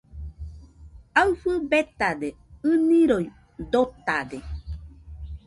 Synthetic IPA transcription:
awfɨbet̪ad̪e | ɨnĩɾoj | d̪ot̪ad̪e

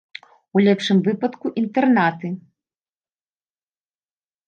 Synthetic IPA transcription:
ulʲɛpʂɨmvɨpɐt̪kuʔint̪ɛrnat̪ɨ

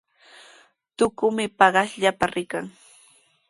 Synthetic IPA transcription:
t̪ʊkʊmɪpɑɢɑsʎapaɾɪkaŋ

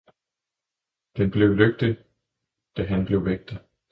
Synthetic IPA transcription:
d̥enb̥le̝ʊløɡ̥̚d̥i | d̥æɦænb̥le̝ʊʋeɡ̥̚d̥ə

